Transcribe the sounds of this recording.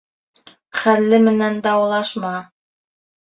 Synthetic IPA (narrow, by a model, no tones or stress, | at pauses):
χælːɘmɘ̆nænd̪ɑwɑlˠɑʃmɑ